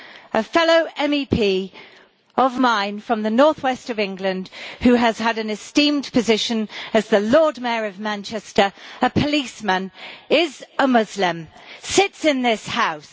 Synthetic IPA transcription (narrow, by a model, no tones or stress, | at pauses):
əfɛloʊʔɛ̃mipʰiː | əvmãɪ̃nfɹə̃mðɨnɔɹθwɛstəvɪ̃ŋɡlɨ̃nd̥hʉəz̥əɾɨ̃nɨstĩmpʰɨzɪʃɨ̃nɨzðəlɔɹd̚mɛɹəvmæ̃nt͡ʃɛstə˞əpʰəliˑsmə̃nɪzəmʊzlɪ̃msɪtsɪ̃nðɪshaʊs